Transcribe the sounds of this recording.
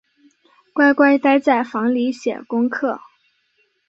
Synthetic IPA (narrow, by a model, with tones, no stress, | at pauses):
kwa˥˧ɪkwa˥˧ɪt̪a˥ɪt͡sa˥˩ɪfɑ˧˥ŋli˧˥ɕjɛ̰˨˩kʊ˥ŋkʰɤ˥˩